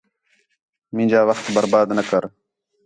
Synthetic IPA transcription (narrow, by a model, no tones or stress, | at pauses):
mĩːd͡ʒaːʋəxt̪bəɾbaːd̪nəkəɾ